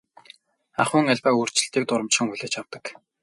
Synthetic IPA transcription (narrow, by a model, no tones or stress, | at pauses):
a̰χʊːŋaɮʲpaːuːr̥t͡ɕɪ̆ɬt̪iːk̚t̪ʊɾə̆mt͡ɕχɪ̆ŋxuɮeːt͡ɕawt̪ə̆k